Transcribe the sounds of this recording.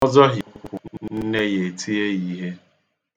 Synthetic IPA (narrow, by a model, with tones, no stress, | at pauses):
ɔ˦zɔ˦ɦʊ˨n̩˦ne˦je˨tʰi˦e˦i˦ɦe˦